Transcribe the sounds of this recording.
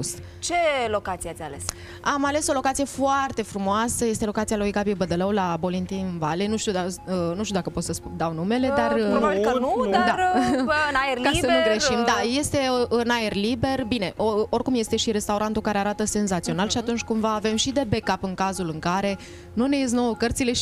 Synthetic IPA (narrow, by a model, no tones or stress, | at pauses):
us | t͡ʃe̞lo̞kat̪sieatsʲales | amale̞so̞lo̞kat̪sije̞foart̪e̞fɾumoasəje̞st̪elo̞kat̪sialojɡabiebəd̪ələwlabo̞lint̪iɨnvalenuʃt̪iud̪aənuʃt̪ud̪akəpo̞t̪səsud̪awnume̞le̞d̪arənd̪aɨnaerlkaənuɡɾeʃimd̪aje̞st̪e̞ʔɨnae̞rlibe̞rbine̞ʔo̞rkumje̞st̪e̞ʃiɾe̞st̪auɾant̪ukaɾe̞aɾat̪əse̞nzat̪sio̞nalʃiat̪unt͡ʃʲkumvaːve̞mʃid̪e̞be̞kapɨŋkazulɨŋkaɾe̞ | nune̞es̬no̞əkərt̪sile̞ʃ